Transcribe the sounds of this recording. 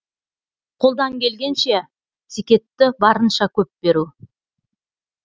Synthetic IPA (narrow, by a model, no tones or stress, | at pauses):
qʰo̞lˠd̪ɑŋkʲʰe̞lɡʲe̞nʃe̞ | sikʲe̞t̪ːɪbɑɾənʃɑkʲʰɵp̚be̞ɾu